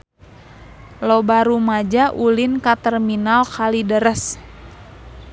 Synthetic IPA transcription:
lobaɾumad͡ʒaʔulɪnkat̪ɛrminalkalidəɾəs

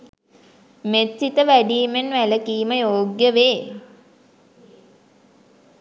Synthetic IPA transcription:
met̪sit̪əʋæɖiːmenʋæləkiːməjoːɡjəʋeː

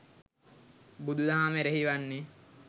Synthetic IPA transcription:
bud̪ud̪aɦameɾeɦiʋanːe

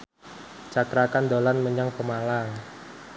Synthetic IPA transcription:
t͡ʃak̪ɾakand̪olanməɲaŋpəmalaŋ

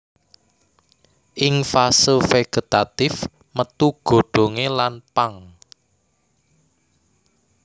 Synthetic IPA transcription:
ʔɪŋfasəfeɡ̥ə̤t̪at̪ɪf | mət̪uɡ̥o̤ɖ̥o̤ŋelanpaŋ

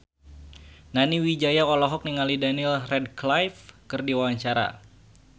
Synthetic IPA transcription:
naniwid͡ʒajaɔlɔɦɔk̚niŋalidanilrɛd̚klajfkɨrdiwawaɲt͡ʃaɾa̰

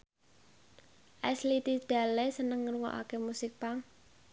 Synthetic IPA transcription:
ʔɛslit̪id̪̥a̤lesənəŋːəɾuŋɔ̰ʔa̰kemusɪk̚paŋ

